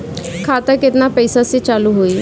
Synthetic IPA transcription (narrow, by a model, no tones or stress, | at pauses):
kʰat̪əket̪napəjsaset͡ɕaluːɦoiː